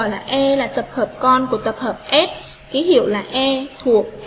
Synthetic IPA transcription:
jlaː˨˩ʔɛ˧laː˨˩t̪ə˨˩p̚həː˨˩p̚kɔ˧nku˧˩ət̪ə˨˩p̚həː˨˩p̚ʔɛ˦˥t̚ | ki˨˦hḭ˧˨əwlaː˨˩ʔɛ˧t̪ʰu˨˩ək̚

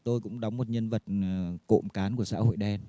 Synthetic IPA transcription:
t̪o˧jkʊ̰˧˥ŋ͡mɗa˨˦wŋ͡mmo˨˩t̚ɲə˧nvə˨˩t̚ko̰˧˨mkaː˨˦nku˧˩əsa̰ː˧˥ho̰˧˨jɗɛ˧n

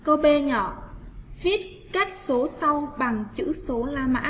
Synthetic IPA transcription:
ko˧ɓe˧ɲɔ̰˧˨vi˦˥ət̚ | t͡ɕa˦˥t̚so˨˦sa˧wɓa˨˩ŋt͡ɕɨ̰˧˥so˨˦laː˧ma̰ː˧˥

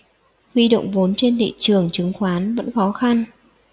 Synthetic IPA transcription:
hwi˧ɗo̰˧˨wŋ͡mvo˨˦nt͡ɕe˧nt̪ʰḭ˧˨t͡ɕɨ˨˩əŋt͡ɕɨ˨˦ŋxwaː˨˦nvə̰˧˥nxɔ˨˦xa˧n

